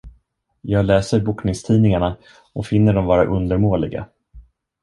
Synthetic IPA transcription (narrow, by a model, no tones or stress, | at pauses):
jɑːɡlɛːsəɾbuːknɪŋst̪ʰiːnɪŋaɳa | ɔfɪnːəɖɔmvɑːɾa̰ʔɵnd̪əɾmoːlɪɡa̰